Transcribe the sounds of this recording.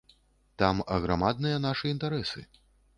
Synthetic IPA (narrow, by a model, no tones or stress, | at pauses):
t̪amɐɣɾamad̪nɨjɐnaʂɨint̪aɾɛsɨ̰